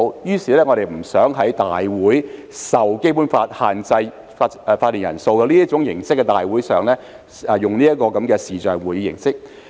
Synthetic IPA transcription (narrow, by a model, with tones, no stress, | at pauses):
jyː˥siː˨˩lɛː˥ŋɔː˨˧ɾe˨˩jm̩˨˩sœː˨˥ŋɦɐ˨˥jt̪aː˨jwuː˨˥j | sɐ˨wke˥jpu˨˥nfaː˧t̚haː˨˩nt͡sɐ˧j | faː˧t̚ːi˨˩njɐ˨˩nso˧wkɛ˧liː˥ɐ˥t̚t͡ʃʊ˨˥ŋjɪ˨˩ŋsɪ˥kːɛː˧t̪aː˨jwuː˨˥jsœː˨ŋlɛː˥ | ɛ˨jʊ˨ŋliː˥jɐ˥t̚kːɔː˧kɐ˨˥mkɛː˧siː˨t͡sœː˨ŋwu˨˩jiː˨˧jɪ̰˨˩ŋsɪ˥k̚